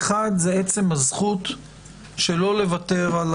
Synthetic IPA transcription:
χadzeet͡se̞mhazχut̪ | ʃelo̞le̞vate̞ʁal

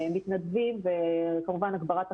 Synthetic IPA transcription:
mːit̪nad̪vimvekamuvanaɡbaʁat̪a

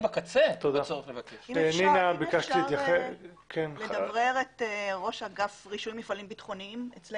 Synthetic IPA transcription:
bakat͡set̪od̪asoʁelevakeʃninabikaʃtiit̪jaχekʰenledavʁeʁeteʁo̞ʃhaɡafʁiʃunmifalimbitχo̞nimet͡sle

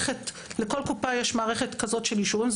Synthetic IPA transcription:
et | leko̞lkupajɛʃmaːʁeχet̪kazo̞tʃeljiʃuvimz

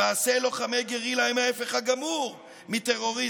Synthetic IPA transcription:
aːse̞lo̞χamejɡeʁilaimaefe̞χaɡamuʁ | mit̪eʁo̞ʁi

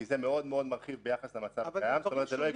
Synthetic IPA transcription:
izemeo̞d̪meo̞d̪maʁχivbejaχaslemat͡sajamzotometzeloji

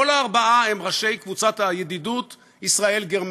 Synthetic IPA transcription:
olaːʁbaʔaemʁaʃe̞jkvut͡sat̪hajed̪idut̪ | isʁae̞lɡeʁm

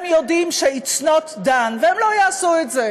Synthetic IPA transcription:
mjod̪imʃeit͡snot̪d̪anveemlo̞jaːsuetze

